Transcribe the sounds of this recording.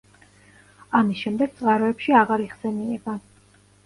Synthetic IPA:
amisʃɛmd̪ɛɡ̚t̪sʼqʼaɾɔɛpʃiaʁaɾiʁsɛniɛba

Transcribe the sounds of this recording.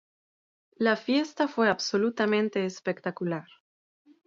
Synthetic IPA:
lafje̞st̪afwe̞abso̞lut̪amẽnt̪eːspekt̪akulaɾ

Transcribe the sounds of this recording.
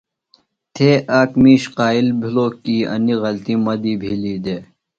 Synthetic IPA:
t̪ʰeːʔaːkmiːɕqaːilbʱiloːkiːɐ̰niɣɐlt̪imɐd̪iːbʱiliːd̪eː

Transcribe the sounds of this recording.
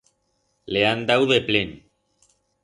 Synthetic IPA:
leand̪awðeplen

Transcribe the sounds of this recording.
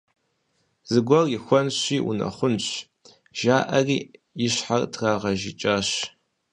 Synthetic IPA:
z̥ɨɡʷɔrjixʷɔnɕʷiːʔṵnɐ̰χʷʊnɕʷ | ʒ̥aːʔɐriː | jɪɕħartʰraːʁɐʒit͡ʃʼaɕ

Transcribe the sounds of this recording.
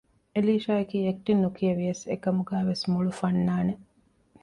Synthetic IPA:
eliːʃaːɐkiːek̚ʈinːukijɐʋijɐsḛkɐmuɡæːʋesmuɭufɐnːaːne

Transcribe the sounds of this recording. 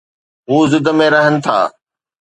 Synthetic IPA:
ɦuːzɪd̪əmẽɾɐɦənɪ̆t̪ʰa̰ː

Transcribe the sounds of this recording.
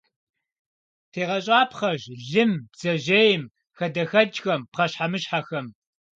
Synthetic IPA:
tʰeːʁɐɕʼaːpχɐʒɮɨmbz̥ɐʒejɪm | xɐdɐxɐd͡ʒxɐmpqɐɕħamɨɕħaxɐm

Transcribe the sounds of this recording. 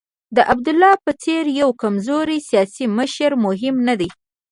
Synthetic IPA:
d̪əʔabd̪ʊlːɑpət͡seɾjawkamzoɾisijɑsiməʃəɾmʊɦɪmnad̪aj

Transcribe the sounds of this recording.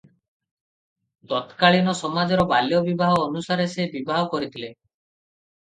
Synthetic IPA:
t̪ɔt̪kaɭinɔsɔmad͡ʒɔɾɔbaljɔbibʱaɦɔːnusaɾesebibaɦɔkɔɾit̪ʰile

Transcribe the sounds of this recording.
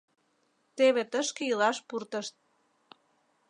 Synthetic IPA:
t̪eβet̪əʃkejilɑʃpurt̪əʃt̪̚

